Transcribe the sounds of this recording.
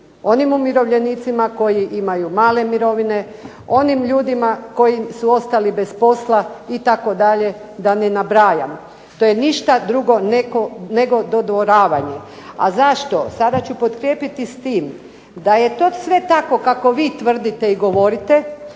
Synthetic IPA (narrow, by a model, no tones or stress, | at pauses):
o̞nimumiɾo̞ʋʎe̞niːt̪simako̞jiʔimajumaːle̞miɾo̞ʋine̞ | o̞nimʎuːd̪imako̞jisuo̞st̪alibe̞spo̞slait̪ako̞d̪aʎe̞d̪ane̞nabɾaːja̰m | t̪o̞jeniʃt̪ad̪ɾuɡo̞nekone̞ɡo̞d̪o̞d̪ʋoɾaːʋaɲe | a̰zaʃt̪o̞sad̪at͡ɕupo̞t̪kɾʲjeːpit̪ist̪iːm | d̪aje̞t̪o̞sʋe̞t̪ako̞kako̞ʋiːt̪ʋr̩d̪it̪e̞iɡo̞ʋo̞ɾit̪e̞